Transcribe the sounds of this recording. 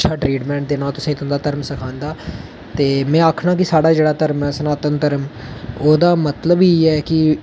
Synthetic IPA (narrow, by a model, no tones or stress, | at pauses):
ʃʰaːʈɾiːʈmɛ̃ːɳʈ̚d̪eːnaːlt̪ʊsãːt̪ə̃nd̪aːt̪əɾəmsəkʰãːnd̪aː | t̪eːmɛ̃ːaːkʰnãːkɪsaːɽaːd͡ʒeːɽaːt̪əɾmɛːsənaːt̪ənt̪əɾəm | oːd̪aːmət̪ləbiːɛːkɪ